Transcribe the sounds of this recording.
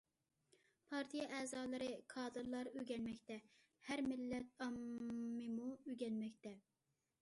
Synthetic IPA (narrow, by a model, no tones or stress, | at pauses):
pʰɑɾt̪ʰijɛʔɛːzɑːlˠɨɾɨkʰɑːd̪ɨɾlˠɑɾøɡʲɛnmɛkʲt̪ɛ | hæɾmɪlːɛt̪̚ɑmːɨmuøɡʲɛnmɛkʲt̪ɛ